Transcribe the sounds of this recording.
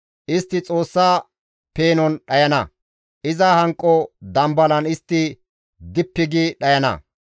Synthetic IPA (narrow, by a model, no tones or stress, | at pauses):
ʔɪst̪ːɪt͡sʼo̞ːsːaː | pe̞ːnɔnɗɐjɐnɐ̰ | ʔɪzɐhɐŋkʼːɔd̪ɐmbɐlɐnɪst̪ːɪ | d̪ɪpːɪɡiɗɐjɐnɐ̰